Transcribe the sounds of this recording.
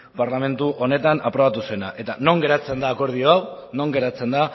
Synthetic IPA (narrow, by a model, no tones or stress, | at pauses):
paɾlame̞nt̪uʔo̞ne̞t̪anapɾo̞βat̪usue̞naʔe̞t̪ano̞ŋɡe̞ɾat͡se̞nd̪aːko̞ɾð̞io̞aw | no̞ŋɡe̞ɾat͡se̞nd̪a